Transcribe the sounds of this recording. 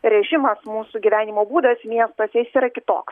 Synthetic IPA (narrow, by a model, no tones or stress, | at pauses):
ɾʲɛʒʲɪmɐsmuːsʊɡʲiʋʲæːnʲɪmoːbuːd̪ɐsmʲiɛst̪oːsʲɛsʲiːɾɐkʲɪt̪o̰ːks